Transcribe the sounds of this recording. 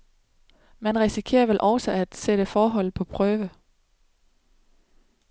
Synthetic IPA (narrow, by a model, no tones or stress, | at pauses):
mænʁɛsikʰe̝̰ːɐʋelʔɒ̽ʊsəæd̥sed̥əfɒːɦɒ̽l̰ð̩ˠpʰɒ̽pʰʁœːʋə